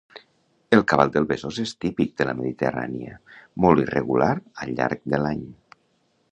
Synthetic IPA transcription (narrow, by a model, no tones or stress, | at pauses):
əlˠkaβalˠd̪əlˠβezozest̪ipik̚d̪ələməðit̪ə̰ra̰niə̰mɔlˠt̪irʔə̰ɣulaɾəʎa̰ɾk̚d̪əlaɲ